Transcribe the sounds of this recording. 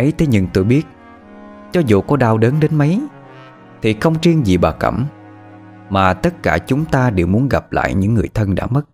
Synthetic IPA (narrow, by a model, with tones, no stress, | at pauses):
ʔə˨˦jt̪ʰe˨˦ɲɨ̰˨˧˩ŋt̪o˧jɓi˦˥ət̚ | t͡ɕɔ˨˦zṵ˧˨kɔ˨˦ɗaː˧wɗə˨˦nɗe˨˦nmə˨˦j | t̪ʰi˨˩xə˧wŋ͡mʈ͡ʂi˧əŋzḭ˨˩ɓaː˨˩kə̰˧˩m | maː˨˩t̪ə˦˥t̚kaː˧˩t͡ɕʊ˨˦ŋ͡mt̪aː˧ɗe˨˩wmu˨˦ənɣa˨˩p̚la̰ː˧˨jɲɨ̰˧˥ŋːɨ˨˩əjt̪ʰə˧nɗa̰ː˧˥mə˦˥t̚